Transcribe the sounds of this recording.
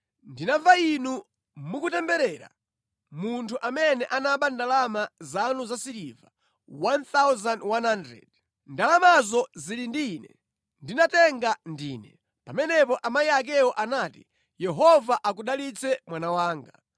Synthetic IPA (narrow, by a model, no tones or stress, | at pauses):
ndinavainu | mukutɛmbɛɾɛːɾa̰ | muntʰuʔamɛnɛʔanaɓandalamazanuzasiɾiva | want̪awzanwanhandɾɛ̰d̥̚ | ndalamazɔzilindinɛ̰ | ndinatɛŋɡandiːnɛ | pamɛnɛpɔʔamajiak̬ɛɔʔanaːti | jɛɦɔvaʔak̬uɗalit͡sʰɛmwanawaːŋɡa̰